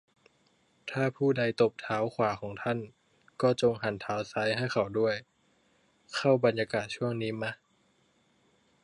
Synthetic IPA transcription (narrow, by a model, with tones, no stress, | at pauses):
t̪ʰaː˥˩pʰuː˥˩da˧jt̪o˨˩p̚t̪ʰaː˩˦wkʰwaː˩˦xʰɔː˩˦ŋt̪ʰa˥˩n | kɔː˥˩t͡ɕo˧ŋɦa˩˦nt̪ʰaː˦˥wsa˦˥jɦa˥˩jkʰa˨˩wdu˥˩əj | kʰa˥˩wba˧njaː˧kaː˨˩t̪̚t͡ɕʰu˥˩əŋniː˦˥ma˦˥